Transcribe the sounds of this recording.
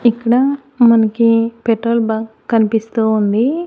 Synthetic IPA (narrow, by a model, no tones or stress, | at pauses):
ikːɐɽɐ | mɐnɐkipeʈɾoːlbɐkɐnipist̪uːund̪i